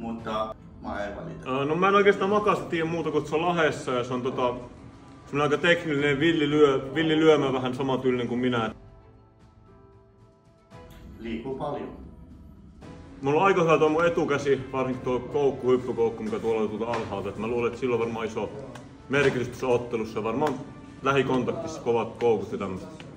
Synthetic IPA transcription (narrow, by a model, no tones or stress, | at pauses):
mut̪ːɑ | mɑ̰eʋɑ̰lit̪ːnomæˑenoˑikest̪ɑːmɑkɑˑst̪ɑt̪iːjæmmuːt̪ɑkut̪solɑhesːɑjɑseont̪ot̪ɑ | semonɑikɑt̪ekniliineʋiljilyøʋiljilyømæʋæhænsɑmɑt̪yːlːineŋkumminæ | liːkːuːpɑljo | mulːoɑikɑhyʋæt̪omːuet̪ukæsiʋɑrsiŋkt̪oˑikoˑukːuhypːykoˑukːumikæt̪uolːˑɑt̪uot̪ɑɑlhɑːlt̪ɑet̪mæluːleet̪silːoʋʋɑrmɑiso | merkit̪yst̪osːɑot̪ːelusːɑjɑʋɑrmɑːˑn | læhikont̪ɑk̚t̪iskoʋɑt̪koˑukut̪jɑt̪æmːøset̪